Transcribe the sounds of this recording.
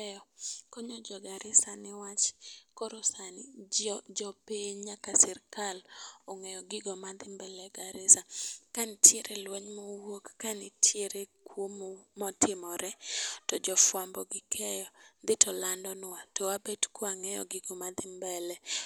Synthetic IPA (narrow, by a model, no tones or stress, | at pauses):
ɛjɔkɔɲɔd͡ʒɔɡaɾɪsanɪwat͡ʃkɔɾosanid͡ʒɔpeɲɲakasɛrkalɔŋɛjɔɡɪɡomad̪ɪmbɛlɛɡaɾɪsakanɪtʰjeɾelwɛɲmɔwokːanɪtʰjeɾekwommɔtɪmɔɾɛtɔd͡ʒɔfwambɔɡɪkʰɛjɔd̪ɪtʰɔlandɔnwatowabɛdkwoaŋɛjɔ̰ɡɪɡomad̪ɪmbɛlɛ